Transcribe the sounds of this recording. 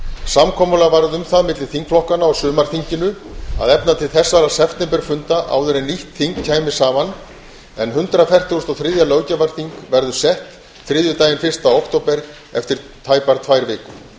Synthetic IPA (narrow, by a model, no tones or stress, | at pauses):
samkʰɔːmʏlavaɾðʏmθaðmɪt̪lɪ̥θiŋkflɔhkanaɔsʏːmaɾ̥θiɲcɪnʏa̰ðɛpnat̪ʰɪlθɛsːaɾasɛft̪ɛmpɛɾ̥fʏnt̪aʔa̰ːwðʏɾɛniht̪θiŋkcʰaːjmɪ̥saːvan | ɛnɦʏnt̪ɾafɛr̥t̪ɪst̪ɔθɾɪðjalœːwcavaɾ̥θiŋkvɛɾðʏ̥sɛht̪ | θɾɪːðjʏt̪aːjɪnfɪr̥st̪aowkt̪owpɛɾ | ɛ̰ft̪ɪɾt̪ʰaːjpaɾt̪ʰvajɾvɪːkʏ